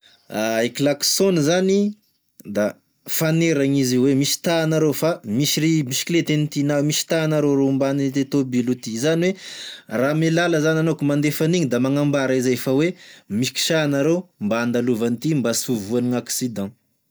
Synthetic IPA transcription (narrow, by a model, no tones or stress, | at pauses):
aekilaksonizani | d̪a | faneɾaŋiziwemisi̥t̪anaɾefamisiɾimisi̥kilet̪enit̪inamisi̥t̪anaɾoɾombanit̪et̪obilut̪izaniweramelaləzananokumand̪efaniɲid̪amaŋambaɾaizeefawemisi̥ki̥ʃanaɾembaand̪aluvanit̪imbasuvuaniŋaksid̪ɑ̃